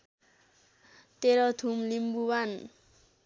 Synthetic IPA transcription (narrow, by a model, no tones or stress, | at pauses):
t̪eɾʌt̪ʰumlimbuban